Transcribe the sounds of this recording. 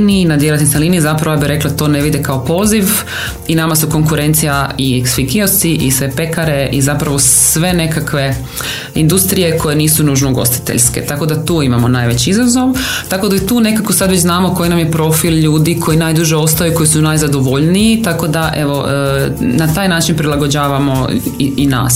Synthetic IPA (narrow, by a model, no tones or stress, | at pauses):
ninad̪jelat̪isnalˠiːniizapɾaʋojabiɾe̞klat̪o̞ːne̞ʋid̪ekaopo̞ːziʋ | inamasuko̞ŋkuɾe̞nt̪sijaieksfikiosiʔisʋe̞pe̞kaɾe̞ʔizapɾaʋo̞sʋe̞ne̞kakʋe̞ | ind̪ust̪ɾije̞ko̞je̞niːsunuːʒnoɡo̞̰st̪i̥t̪ḛʎʲske̞̰t̪ako̞d̪at̪uːimamo̞naːjʋe̞t͡ɕiizazo̞ʋt̪ako̞d̪ait̪uːne̞kakosad̪ʋet͡ɕznaːmoko̞jinamje̞pɾo̞filʎuːd̪ikʰo̞jinajd̪uʒeo̞st̪ajuko̞jisunajzad̪o̞ʋo̞ʎniit̪ako̞d̪aʔe̞ʋo̞ | nat̪aːjnaːt͡ʃinpɾilaɡo̞d͡ʑaːʋamo̞ina̰ːs